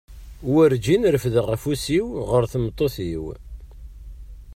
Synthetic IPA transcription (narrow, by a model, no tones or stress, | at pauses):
wəɾd͡ʒinɾəfðəʁæfusiwʁəɾθəmt̪ˤːoθiw